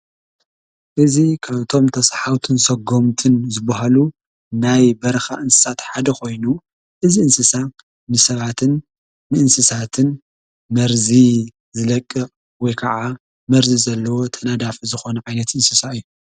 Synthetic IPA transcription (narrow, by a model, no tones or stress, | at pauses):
ʔɨzikʰaβt̪ʰo̞mt̪ʰɐsħawt̪ʰɨnsɐɡo̞mt̪ʰɨnzɨbaɦalu | najbɐɾɐxa̰ʔɨnsɨ̥sat̪ħad̪ɐkʰo̞jnu | ʔɨziɨnsɨsa | nɨsɐβat̪ʰɨn | mɨʔɨnsɨsat̪ʰɨn | mɐɾzi | zɨlɐkʼːɨ | wɔjkʰɐʕa | mɐɾzizɐlːɐwo̞t̪ʰɐnad̪afizɨxo̞nɐʕajnɐt̪ʔɨnsɨsaɨjːu